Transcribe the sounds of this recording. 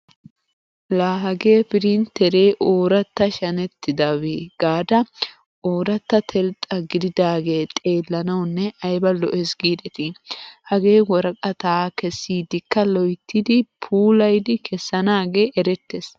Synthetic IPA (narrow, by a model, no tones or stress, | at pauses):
laːɦɐɡe̞ːpɪɾint̪ɛɾe̞ːʔoːɾɐt̪ːɐʃɐnɛt̪ːɪd̪ɐweːɡ̥aːd̪ɐ | oːɾɐt̪ːɐt̪ʰɛlt̪ʼːɐɡɪd̪ɪd̪aːɡe̞ːt̪ʼe̞ːlːɐnɐwnːɛʔɐjbɐlɔʔɛsɡiːd̪ɛt̪ɪhɐɡe̞ːwɔɾɐkʼɐt̪aːkɛsːiːd̪ɪkːɐlɔjt̪ːɪd̪ɪpʰuːlɐjd̪ɪkʰɛsːɐnaːɡe̞ːʔɛɾɛt̪ːes